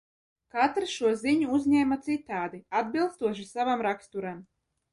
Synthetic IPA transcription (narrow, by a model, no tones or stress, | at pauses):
kat̪ɾɨʃuɔziɲuuzʲɲʲɛmat̪sit̪aːd̪iad̪̚bilˠst̪uɔʃ̬isavamɾakst̪uɾam